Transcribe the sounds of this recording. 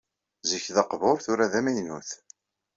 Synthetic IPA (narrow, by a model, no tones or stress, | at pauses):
ziçðɑqvʊɾθʊɾaðæmæjnuθ